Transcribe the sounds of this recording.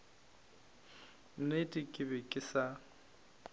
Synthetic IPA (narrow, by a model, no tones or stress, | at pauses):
n̩netʼɪkʼɪbɛkʼɪsa